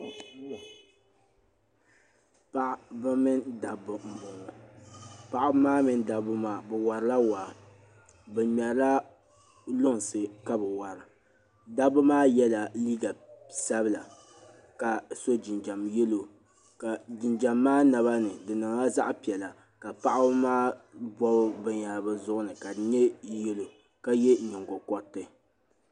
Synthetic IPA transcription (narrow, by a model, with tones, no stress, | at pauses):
pa˦ʔba˦mɨ˦nda˨bʊ˨m̩˨bʊ˨ŋ˨ | pa˨ʔʊ˦maː˦mɨ˦nda˨bʊ˦maː˨bɛ˨wa˨ɾɨ˦la˦wa˨ | bɛ˨mɛ˨˦la˦ | lʊ˦ŋ˨sɨ˨ka˦bɛ˨wa˨ɾɨ˨ | da˦bʊ˦maː˦jɛ˦la˨liː˦ɡa˨sa˦bɨ˦la˨ | ka˨so˦d͡ʒɪ˨nd͡ʒa˨mjɛ˦lo˨ | ka˨d͡ʒɪ˨nd͡ʒa˨mːaː˦na˨βa˦nɨ˨dɨ˨nɨ˨ŋa˦za̰˦ʔpi˨ɛ˨la˨ | ka˨pa˦ʔa˦bmaː˦bɔ˦bbɛ˦ɲa˨lbɨ˦zʊ˦ʔʊ˦nɨ˨ka˨dɲɛ˦jɛ˦lo˨ | ka˦jɛ˦ɲɛ˨ŋɡɔ˨kɔ˨tːɨ˨